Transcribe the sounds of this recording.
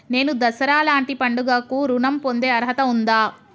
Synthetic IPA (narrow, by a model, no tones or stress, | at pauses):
ne̞ːnud̪ɐsɐɾaːlaːɳʈipɐɳɖuɡaːkuɾunɐmpo̞nd̪e̞ːɐɾɦɐt̪ɐund̪aː